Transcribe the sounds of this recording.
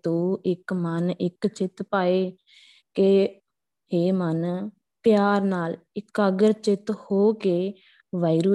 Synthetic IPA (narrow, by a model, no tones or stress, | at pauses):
t̪õːɪkmənɪkt͡ʃɪt̪paːeː | ke | heːmən | pɪjaːɾnaːlɪkəɡəɾt͡ʃɪt̪hoːkeː | ʋaːiɾuː